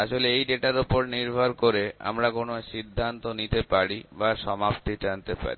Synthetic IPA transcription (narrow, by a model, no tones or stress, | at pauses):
aʃoleejɖeʈaɾopoɾniɾbʱaɾkoɾea̰mɾakonoʃid̪ʱːant̪onit̪epaɾibaʃɔmapt̪id͡ʑant̪epa̰ɾi